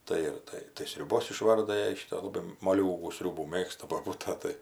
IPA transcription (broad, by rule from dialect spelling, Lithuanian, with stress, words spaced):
ˈtɐɪ ɪr ˈtɐɪ tɐɪ sʲrʲʊˈboːs ɪˈʃʋɐrdɐ ˈjɛɪ ˈʃʲiːtoː lˠɐˈbɐɪ moːˈlʲuːɡuː ˈsʲrʲuːbuː ˈmʲeːkstɐ boːˈbuːtɐ ˈtɐɪ